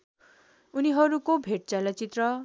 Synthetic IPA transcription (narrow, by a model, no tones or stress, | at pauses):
uniɦʌɾukobʱeʈ̚t͡salʌt͡sit̪rʌ